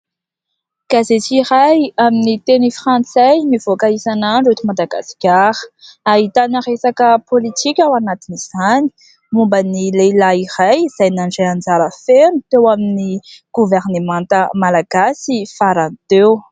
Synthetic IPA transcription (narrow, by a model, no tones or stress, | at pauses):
ɡ̥azet͡siɾajaminit̪enifrãnt͡sajmiv̥okaisanaɳɖ͡ʐet̪imad̪aɡa̰skʲaɾə̥aɦit̪anaʁesakəpʰolit̪ʰikʲawanat̪iniz̥ani̥ | mumbənilelairajz̥ajnaɳɖ͡ʐajand͡zaɾəfenut̪ewaminiɡ̥uveɾnemãnt̪əmalaɡ̥asifaɾant̪ew